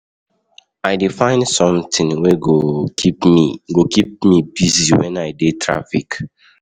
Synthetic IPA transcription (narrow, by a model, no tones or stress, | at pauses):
aɪdefãɪ̃nsɔ̃mtĩnweɡo | ɡokip̚mibiziwɛ̰̃naɪdetʰɹa̰fik